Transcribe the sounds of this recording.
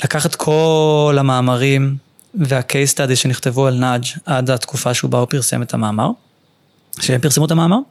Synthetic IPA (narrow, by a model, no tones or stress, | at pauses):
lakaχat̪kʰo̞lamaːmaʁim | veakʰejst̪adiʃe̞niχt̪e̞vualnad͡ʒadat̪kufaʃeubaupiʁsḛmet̪hamaːmaʁ | ʃeempiʁsemutamaːmaʁ